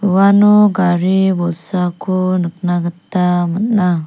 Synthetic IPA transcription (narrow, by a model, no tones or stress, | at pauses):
uʋanoɡaɾibɔsakonəknaɡət̪ːamətla